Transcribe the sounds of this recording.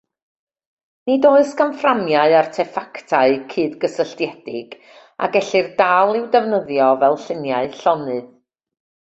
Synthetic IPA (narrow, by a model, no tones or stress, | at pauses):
nidoːɨskʰanframjaɨartʰɛfaktʰaɨkʰɨːdɡəsəɬtjɛd̥ɪɡ | a̰ɡɛɬɨrdalˠɪwdɛvnəðjɔvɛlˠɬɪnjaɨɬɔnɨð